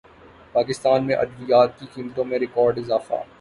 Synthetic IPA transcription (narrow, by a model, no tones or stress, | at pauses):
paːkɪst̪aːnmẽʔɐd̪ʋijaːt̪̚kikiːməʈ̪õmẽɾɪkɔːɾɖɪzaːfa̰ː